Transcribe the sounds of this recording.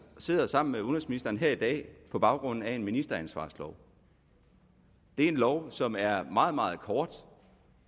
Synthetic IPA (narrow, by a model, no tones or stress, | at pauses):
se̝ð̞̰ˠɐsɑ̈m̰n̩meonʁɐnsminisd̥ɐːn̩ɦeɐid̥ɛ̰ːpʰɒ̽b̥ɑ̈ʊɡ̥ʁɔ̽n̰n̩æe̝nminisd̥ɐænsʋɑ̰̈ːslɒʊ | d̥e̝æɐe̝nlɒʊsɒ̽mæɐmɑ̈ːð̩ˠmɑ̈ːð̞̩ˠkʰɒːd̥